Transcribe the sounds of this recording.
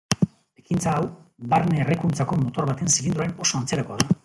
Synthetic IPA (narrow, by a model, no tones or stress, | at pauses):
ekint͡saːwβaɾneːrekunt͡sako̞mo̞t̪o̞ɾβat̪e̞nsilind̪uaɾe̞no̞so̞ant͡se̞ɾako̞aða